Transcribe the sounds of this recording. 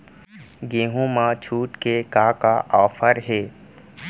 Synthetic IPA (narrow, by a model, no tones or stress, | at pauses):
ɡeːɦũmãt͡ʃʰuːʈkekakaʔɔːfʰəɾɦɛː